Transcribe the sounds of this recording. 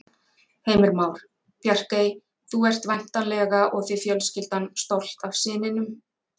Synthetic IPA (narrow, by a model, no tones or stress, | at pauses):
heːjmɪɾmaːwɾ̥ | pʰjar̥kej | θuɛr̥t̪van̥t̪anlɛɣaʔɔɣθɪfjœlscɪlt̪anst̪owl̥t̪av̥sɪːnɪnʏm